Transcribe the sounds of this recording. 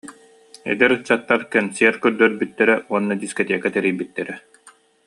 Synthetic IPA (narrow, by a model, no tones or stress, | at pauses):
ɛ̰d̪ɛɾɯt͡ɕːat̪ːaɾkɛnsiɛɾkœɾd̪œɾbyt̪ːɛɾɛuɔnːad̪iskɔt̪iɛkat̪ɛɾijbit̪ːɛɾɛ